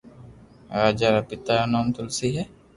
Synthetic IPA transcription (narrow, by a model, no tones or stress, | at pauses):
ɾad͡ʒaɾapit̪ajonɔmt̪ulsiːɦe